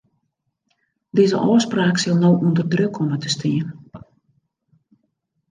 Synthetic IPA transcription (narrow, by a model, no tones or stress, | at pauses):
dizə̰ʔɔːspraːksɪlˠnowʔundərdrøkʰɔmətəstiən